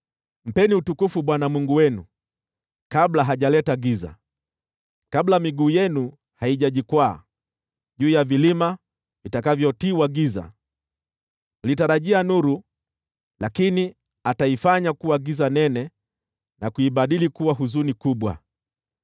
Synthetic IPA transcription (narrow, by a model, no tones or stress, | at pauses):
m̩pɛniutukufuɓwanamwuŋɡuwɛnu | kablaɦaʄalɛtaɡiza̰ | kablamiɡuːjɛnu | haiʄaʄikwa̰ː | ʄuːjavilima | vitakavjɔtiwaɡiza̰ | litaɾaʄianuɾu | lakini | ataifaɲakuwaɡizanɛnɛ | nakuiɓaɗilikuwaɦuzunikuɓwa̰